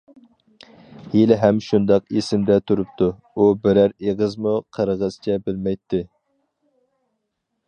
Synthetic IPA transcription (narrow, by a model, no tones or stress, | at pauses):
hilɪɦɛmʃund̪ɑqesɪmd̪ɛt̪ʰuɾup̚t̪ʰu | ubɪɾæɾeʁəzmuqʰəɾʁəz̥t͡ʃʰɛbɪlmɛjt̪ʰːɪ